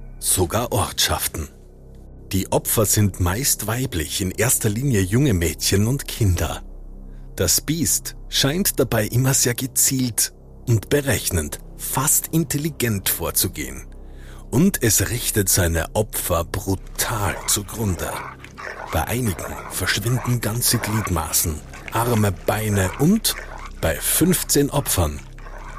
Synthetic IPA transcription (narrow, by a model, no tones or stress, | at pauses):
z̥oɡaːɐʔɔɐtʃa̰ftn̩ | d̥iːʔɔpfɐzɪntmaɪstv̥aɪplɪ̰çɪnʔeːɐstɐliːnjəjʊŋəmɛːtçənʊntkʰɪndɐ̰ | d̥asb̥iːst | ʃaɪntd̥abaɪʔɪmɐzeːɐɡət͡siːlt | ʔʊntb̥əʁɛçnənt | fastɪnteliɡɛntfoːɐt͡suɡḛːən | ʔʊntʰɛsʁɪçtətz̥aɪnə̰ʔɔpfɐb̥ʁutʰaːlt͡suɐɡʁʊndə̰ | b̥aɪʔa̰ɪnɪɡŋ̩ | fɛɐʃv̥ɪndn̩ɡant͡səɡliːtma̰ːsn̩ | ʔaʁməb̥aɪnəʔʊnt | b̥aɪfʏnft͡seːnʔɔpfɐn